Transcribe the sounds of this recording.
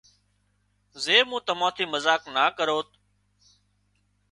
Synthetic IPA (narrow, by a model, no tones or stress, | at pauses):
zeːmũːt̪əmãːt̪ʰiːməzaːknaːkəɾoːt̪